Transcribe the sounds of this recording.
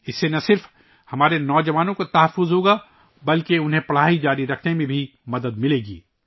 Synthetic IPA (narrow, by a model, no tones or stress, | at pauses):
ɪsːenɐsɪɾf | hɐmaːɾenɔːd͡ʒɐʋaːnõkot̪ɐɦəfːʊzɦoːɡaː | bɐlkeʊnɦẽpɐɽ̤aːid͡ʒaːɾiɾɐkʰnemẽbʱimɐd̪əd̪mɪleːɡḭː